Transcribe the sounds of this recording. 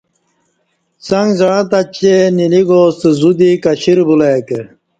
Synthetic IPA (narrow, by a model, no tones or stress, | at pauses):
t͡saŋɡzɐɻãt̪at͡ɕeniliɡost̪zud̪ikaɕiɾbuleke